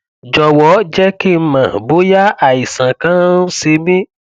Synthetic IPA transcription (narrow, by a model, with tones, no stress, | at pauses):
d͡ʒɔ˧wɔ˨˦d͡ʒɛ˦ki˦˨m̩˦mã˨bo˨˦ja˦a˦˨i˨sã˨kã˦se˧mĩ˦